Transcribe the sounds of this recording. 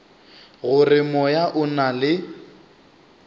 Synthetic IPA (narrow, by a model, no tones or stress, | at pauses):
ɣʊrɪmɔjaʔʊnalɪ